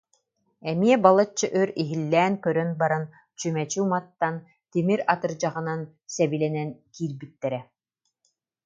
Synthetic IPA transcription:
ɛmiɛbalˠat͡ɕːɯʔøɾiɦilːɛːnkœɾœnbaɾan | t͡ɕymɛt͡ɕuːmat̪ːan | t̪imiɾat̪ɯɾd͡ʑaʁɯnan | sɛbilɛnɛnkiːɾbit̪ːɛɾɛ

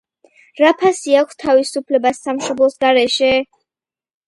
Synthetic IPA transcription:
ɾapʰasiakʷʰst̪ʰavisupʰlɛbasːamʃɔblˠɔsɡaɾɛʃɛ

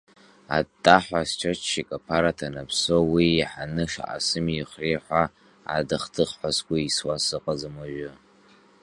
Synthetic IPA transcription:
a̰tʼːaħʷast͡ʃʷʰat͡ʃʃikʼapʰaɾatʰanapʰsowiːħanɨʂa̰ʔa̰sɨmjiχriħʷa | a̰dɨχtʰɨχħʷaskʷaiswasɨqʼad͡zamaʒʊ

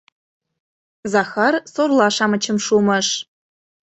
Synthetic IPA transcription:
zɑxɑrsorlɑʃɑmə̆t͡ɕə̆mʃumɤ̆ʃ

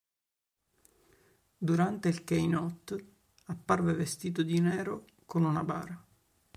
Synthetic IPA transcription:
d̪uɾant̪eilkejnɔt̪ː | apːarvevest̪iːt̪od̪inɛːɾo | konunaba̰ːɾa

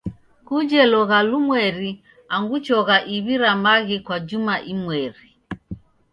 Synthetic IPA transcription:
kud͡ʒɛlɔɣalumwɛɾi | aŋɡut͡ʃɔɣaʔiβiɾamaɣikwad͡ʒumaʔimwɛɾi

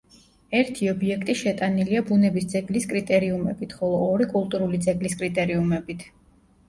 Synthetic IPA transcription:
ɛɾt̪ʰiɔbiɛkʰt̪ʼiʃɛt̪ʼaniliabunɛbisd̪zɛɡliskʼɾit̪ʼɛɾiumɛbit̪ʰχɔlˠɔːɾikʼulˠt̪ʼuɾulid̪zɛɡliskʼɾit̪ʼɛɾiumɛbit̪ʰ

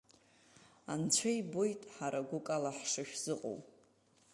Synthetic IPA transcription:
ant͡ɕʷʰejbojtʼħaɾaɡʷʊkʼalaħʂɨʃᶣz̥ɨqʼo̰wʼ

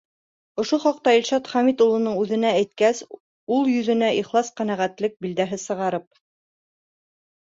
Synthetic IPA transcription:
ŏʃoχɑq̚t̪ɑilʃɑt̪χɑmit̪ulˠɤ̆nɤɴʉðɘ̆nææjt̪kæs | ulˠjɵ̆ðɘ̆næʔiχlˠɑsqænæʁæt̪lɘk̚bild̪æɦɘsɤ̆ʁɑɾɤp̚

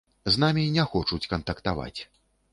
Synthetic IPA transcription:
znamʲinʲɛxɔt͡ʂut͡sʲkɐnt̪ɐkt̪ava̰t͡sʲ

